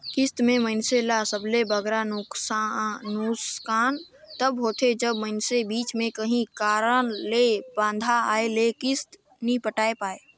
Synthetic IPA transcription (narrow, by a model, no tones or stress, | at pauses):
kɪst̪mẽməɪnselasəblebəɡɾanʊksnʊskaːn | t̪əbɦoːt̪ʰed͡ʒəbməɪnsebiːt͡ʃmẽkəɦĩkaːɾənlebãːnd̪ʱaaːelekɪst̪ | nĩpəʈaːepaːe